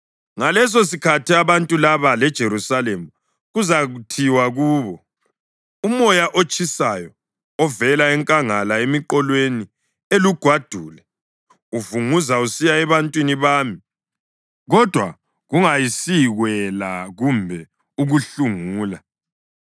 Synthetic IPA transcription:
ŋalɛs̬os̬ikʰatʰiaβantʼulaβalɛd̥ʒ̥ʱeɾusalemu | ɣuzaɣutʰiwaɣuːβɔ | umɔjaʔot͡ʃʼisajɔ | ɔvɛlaɛŋkʼaŋalaemiǃɔlweni | eluɡ̥ʱwad̥ʱuːlɛ | uvuŋuzausijaɛβantʼwiniβaːmi | ɣɔd̥ʱwa̰ | ɣuŋajisiɣwɛlaɣumbʱɛ | uɣuɬuŋuːla

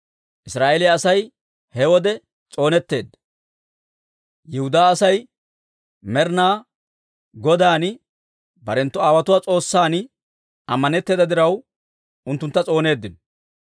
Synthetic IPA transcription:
ʔɪsɾaːʔelɪjaːsɐj | hɛwɔd̪ɛ | t͡sʼo̞ːnɛt̪ːe̞ːd̪ːɐ | jɪhʊd̪aːsɐj | mɛɾnaː | ɡɔd̪aːnɪ | bɐɾɛnt̪ːʊaːwɐt̪ʊwaːt͡sʼo̞ːsːaːnɪ | ɐmːɐnɛt̪ːeːd̪ɐd̪ɪɾɐw | ʊnt̪ːʊnt̪ːɐt͡sʼo̞ːne̞ːd̪ːɪn

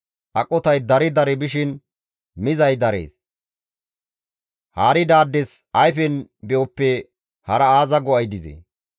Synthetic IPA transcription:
ʔɐkʼːɔt̪ɐjd̪ɐɾɪd̪ɐɾɛbɪʃɪn | mɪzɐjd̪ɐɾḛːs | haːɾɪd̪aːd̪ːɛsɐjfɛnbɛɔpːɛ | hɐɾɐaːzɐɡɔɐjd̪ɪzɛ̰

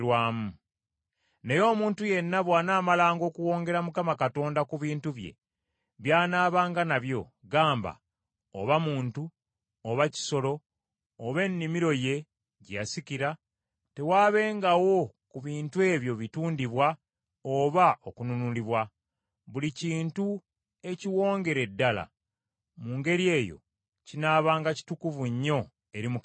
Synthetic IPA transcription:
waːmu | ne̞jo̞ːmuːntuje̞nːaβwaːnaːmalaːŋɡo̞ːkuwo̞ːŋɡe̞ɾamukamakato̞ːndakuβiːntuβje̞̰ | βjaːnaːβaːŋɡanaβjo̞ | ɡaːmba̰ | o̰βamuːntu | oβaci̥so̞lo̞ː | βe̞nːimiɾo̞je̞ | ɟja̰siciɾa | te̞waːβe̞ːŋɡawo̞ | kuβiːntue̞ːβjo̞βituːndiβwa | oβaʔokununuliβwa | βuliciːntu | e̞ciwo̞ːŋɡe̞ɾe̞dːala̰ | muːŋɡe̞ɾje̞ːjo̞̰ | cinaːβaːŋɡaci̥tukuvuɲːo̞ | e̞ɾimu

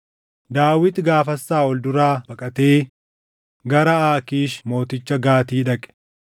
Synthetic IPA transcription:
d̪aːwːɪt̪ɡaːfɐsːaːɔld̪ʊɾaːbɐkʼɐt̪eː | ɡɐɾɐaːkiːʃmo̞ːt̪ɪt͡ʃːɐɡaːt̪iːᶑɐkʼɛ̥

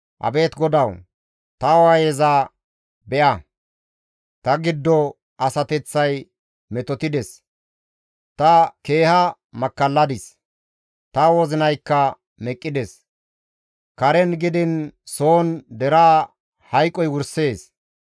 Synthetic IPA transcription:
ʔɐ̰be̞ːt̪ɡɔd̪ɐw | t̪ɐwajɛzaː | bɛʔɐ | t̪ɐɡɪd̪ːɔ | ʔɐsɐt̪ɛt͡sːɐj | mɛt̪ɔt̪ɪd̪ɛs | t̪ɐke̞ːhɐ | mɐkːɐlːɐd̪ɪs | t̪ɐwɔzɪnɐjkːɐ | mɛkʼːɪd̪ɛs | kɐɾɛnɡɪd̪ɪnso̞ːnd̪ɛɾaː | hɐjkʼːɔjwʊɾse̞ːs

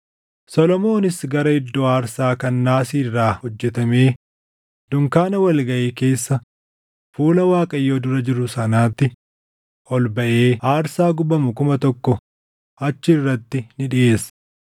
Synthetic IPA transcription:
sɔlɔmo̞ːnɪsɡɐɾɐɪd̪ːɔaːɾsaːkɐnːaːsiːrːaːhɔd͡ʒːɛt̪ɐme̞ː | d̪ʊŋkaːnɐwɐlɡɐʔiːke̞ːsːɐ | fuːlɐwaːkʼɐjːoːd̪ʊɾɐd͡ʒɪɾʊsɐnaːt̪ːɪ | ʔɔlbɐʔeːaːɾsaːɡʊbɐmʊkʊmɐt̪ɔkːɔ | ɐt͡ʃːɪːrːɐt̪ːɪnɪᶑɪʔe̞ːs

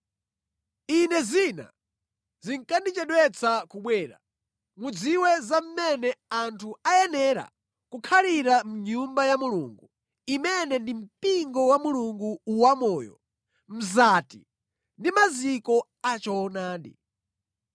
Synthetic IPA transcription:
inɛzina̰ | ziŋkandit͡ʃɛɗwɛt͡sakuɓwɛːɾa̰ | mud͡ziwɛzam̩mɛnɛantʰuajɛnɛɾa̰ | kukʰaliɾam̩ɲumbajamuluːŋɡu | imɛnɛndim̩piŋɡɔwamuluŋɡuːwamɔːjɔ̰ | m̩zati | ndimazikɔ | at͡ʃɔnaːdḭ

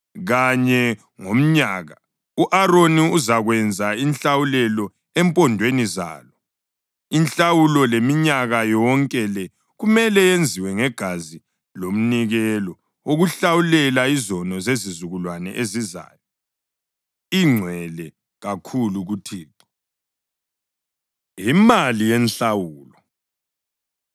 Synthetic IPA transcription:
ɣaɲɛ | ŋom̩ɲaɣa | uʔaroniuzaɣwɛnd͡zʱainɬawulɛlɔ | ɛmpʼɔndʱweniza̰ːlɔ | inɬawulɔlemiɲaɣajɔŋkʼɛlɛ | ɣumɛlɛjend͡zʱiwɛŋɛɡ̥ʱazi | lom̩niɣɛlɔ | oɣuɬawulɛlaizɔnɔzezizuɣulwanɛ̰ʔeziza̰ːjɔ | iŋ͡ǀʱwɛlɛ | ɣakʰuluɣutʰiːǁɔ̥ | jimalijɛnɬawuːlɔ

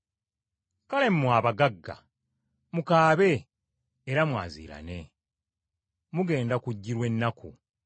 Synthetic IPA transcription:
kale̞mmwaːβaɡaɡːa̰ | mukaːβe̞ː | ɾamwa̰ːzḭːɾa̰ne̞ | muɡe̞ːndakuɟːiɾwe̞nːaku

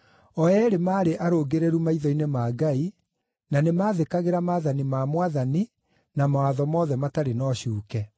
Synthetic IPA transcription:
ɔɛɾemaːɾeʔaɾoɡeɾeɾumaiðɔinemaːɡai | nanemaːðekaɣeɾamaːðanimamwaðani | namawaðɔmɔːðɛmataɾenɔɕuːkɛ

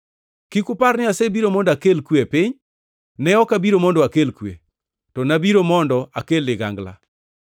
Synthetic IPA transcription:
kikʊparnɪasebiɾomɔndakelkwepɪɲ | nɛɔkabiɾomɔndɔakelkwḛ | tɔnabiɾomɔndɔʔa̰kelɪɡa̰ŋɡla̰

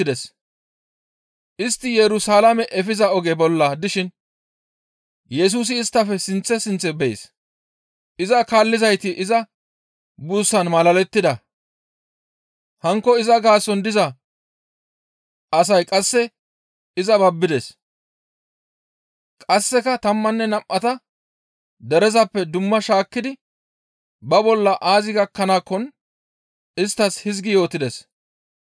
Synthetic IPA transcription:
d̪ɛs | ʔɪst̪ːɪjɛɾʊsalɐmɛʔɛfɪzɐɔɡɛbɔlːɐd̪ɪʃɪn | jɛs̬uːs̬ɪːst̪ːɐfɛsɪnt͡sːɛsɪnt͡sːɛbɛ̰s | ʔɪzɐkaːlːɪzɐjt̪ɪʔɪzɐ | busːɐnmɐlɐlɛt̪ːɪd̪ɐ | hɐŋkːɔɪzɐɡaːsːɔnd̪ɪzɐ | ɐs̬ɐjkʼɐsːɛ | ɪzɐbɐbːɪd̪ɛs | kʼɐsːɛkɐt̪ɐmːɐnːɛnɐmʔːɐt̪ɐ | d̪ɛɾɛzɐpːɛd̪ʊmːɐʃaːkːɪd̪ɪ | bɐbɔlːɐʔaːzɪɡɐkːɐnaːkːɔn | ɪst̪ːɐshɪzɡɪjo̞ːt̪ɪd̪ɛs

